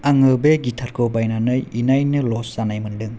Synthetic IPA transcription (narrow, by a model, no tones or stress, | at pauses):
aŋɯbeɡitʰaɾkʰobajnanɯjinajnɯlɔsanajmɯndɯŋ